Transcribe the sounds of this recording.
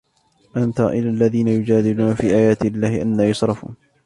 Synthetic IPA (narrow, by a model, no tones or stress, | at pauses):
ʔant̪aʔɪlalːaðiːnajʊd͡ʒaːd̪ɪluːnafiːʔaːjaːt̪ɪlːaːhɪʔanːaːjɑsɾˤɑfṵːn